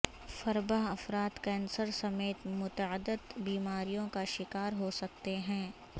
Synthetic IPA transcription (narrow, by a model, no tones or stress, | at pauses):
fɐɾbəɦɐfɾaːt̪kɛ̃ːnsəɾsɐmeːt̪mʊt̪əəd̪ːət̪biːmaːɾijõkaʃɪkaːɾɦosɐk̚t̪eɦɛ̃ː